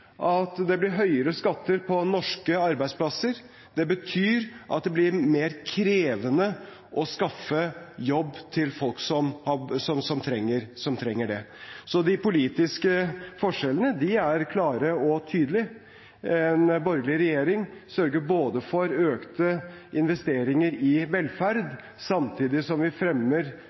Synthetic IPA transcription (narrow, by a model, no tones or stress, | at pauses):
ʔɑt̪d̪ɛblɪɾɦœʏəɾəskɑt̪ːəɾpʰɔnɔʂkəɑɾbæɪspʰlɑsəɾ | d̪ɛbət̪ʰyːɾʔɑ̰t̪̚d̪ɛblɪɾmeːɾkʰɾeːʋənə | ʔɔskɑfːəjɔbːt̪ʰɪlfɔlksɔmhɑsɔmsɔmt̪ʰɾɛŋːəɾsɔmt̪ʰɾɛŋːəɖɛsɔd̪ɪpʊliːt̪ɪskəfɔʂɛlənəd̪ɪæɾkʰlɑːɾəɔt̪ʰyːd̪əlɪ | ɛnbɔɾɡlɪɾɛjeːɾɪŋsœɾɡəɾboːd̪əfɔɾøːkt̪əɪnʋɛst̪eːɾɪŋəɾɪʋɛlfæɾd̪ | sɑmt̪ʰiːd̪ɪsɔmʋɪfɾɛmːəɾ